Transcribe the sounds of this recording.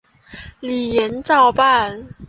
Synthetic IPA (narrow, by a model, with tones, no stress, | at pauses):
li˨˩jɛ˨˦nt͡sɑ˥˧ʊpa˥˨n